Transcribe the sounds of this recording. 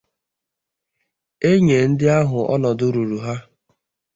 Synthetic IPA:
e˦ɲe˨n̩˦dɪ˦a˦ɦʊ˨ɔ̰˦nɔ˨dʊ˦ɾu˨ɾu˨ɦa˦

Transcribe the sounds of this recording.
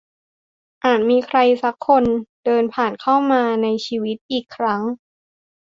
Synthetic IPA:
ʔaː˨˩t̪̚miː˧kʰɾa˧jsa˦˥kʰːo˧nd̥ɤː˧npʰaː˨˩nkʰa˥˩wmaː˧na˧jt͡ɕʰiː˧wi˦˥t̪̚ʔiː˨˩kʰːɾa˦˥ŋ

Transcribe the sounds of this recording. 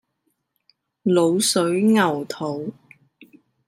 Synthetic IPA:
lo˨˧wsɵ˨˥ɥŋɐ˨˩wt̪ʰo˨˥w

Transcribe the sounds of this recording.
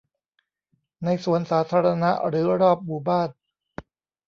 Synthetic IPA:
na˧jsu˨˩˦ənsaː˩˦˥t̪ʰaː˧ɾa˧na˦˥ʔɾɯː˩˦ɾɔː˥˩p̚muː˨˩baː˥˩n

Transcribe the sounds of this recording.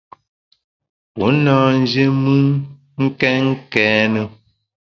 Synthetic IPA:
po˨˦nɔ̃ː˦˨n̩˦d͡ʒe˦mɨ˦n | ŋ̩˦kɛ˦ŋ̩˦kɛː˨˦nə˦

